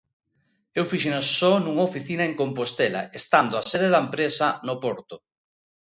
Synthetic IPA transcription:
ewfiʃenasɔnuŋofiθinɐeŋkompost̪ela̰est̪and̪oaseðeðɐmpɾesɐnopɔɾt̪ʊ

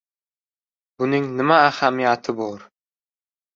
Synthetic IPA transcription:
bʊnɪŋnɪmaːhamijat̪ʰɪbɒɾ

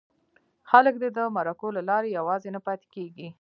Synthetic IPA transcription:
xalək̚d̪əd̪əmaɾakolalɑɾejawɑzenapɑt̪e̥keɡi

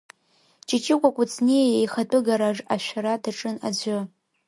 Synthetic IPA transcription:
t͡ʃʰʼɪt͡ʃʰʼɪkʷakʷʼʊt͡sʰʼnejjejχatʼɨɡaɾaʐaʃʷᶣaɾadaʈ͡ʂʼɨnad͡ʑʷɨ

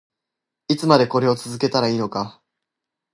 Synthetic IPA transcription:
it͡sɨmad̪e̞ko̞ɾe̞o̞t͡sɨzɨke̞t̪aɾaiːno̞ka

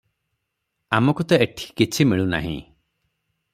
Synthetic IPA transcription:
amɔkut̪ɔeʈʰi̥kit͡ʃʰimiɭuna̰ɦḭ̃

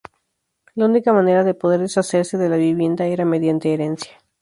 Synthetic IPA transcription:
launikamane̞ɾaðe̞po̞ð̞e̞ɾðesase̞ɾse̞ðe̞laβiβje̞nd̪ae̞ɾame̞ðjant̪e̞ːɾe̞nsjḁ

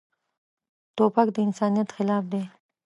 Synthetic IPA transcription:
t̪opakd̪əɪnsɑnijat̪xɪlɑːfd̪e

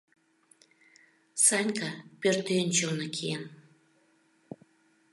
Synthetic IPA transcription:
sɑnʲkʰɑpørt̪ent͡ɕonɤkʰien

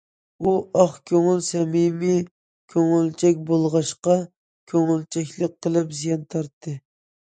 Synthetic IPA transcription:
uɑχkʲʰøŋylsɛmimi | kʲʰøŋylt͡ʃʰɛk̚ʲbolˠʁɑʃqɑ | kʲʰøŋylt͡ʃʰɛkʲlˠəq̚qʰːəlˠɨpzijɑnt̪ʰɑɾt̪ʰːɨ

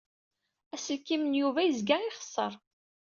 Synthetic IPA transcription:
æsəlkimənjuvæjəzɡæɪχə̥sˤːəɾˤ

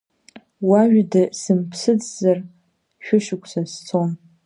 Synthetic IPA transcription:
waʒᶣdɨsɨmpʰsɨd͡zzɐr | ʃʷᶣʊʃɪkʷʼʰsɐst͡sʰon

